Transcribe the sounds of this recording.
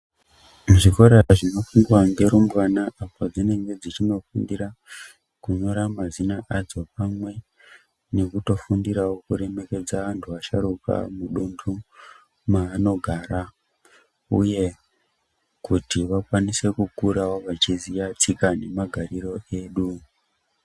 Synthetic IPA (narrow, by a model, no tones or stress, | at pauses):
ʐikoɾaʐino̞fuŋɡwaŋɡe̞ɾumbwanaʔapad͡zine̞ŋɡe̞d͡zit͡ʃino̞fundiɾa | kuɲo̞ɾamazinaʔad͡zo̞pamwe̞ | ne̞kuto̞fundiɾawokuɾe̞me̞ke̞d͡zaʋantʰuʋaʃa̰ɾuka̰muɗundʰu | maːno̞ɡʱaːɾa | ṵje̞ | kutiʋakwanise̞kukuɾawoʋat͡ʃizijat͡sikane̞maɡʱariro̞ʔe̞ːɗu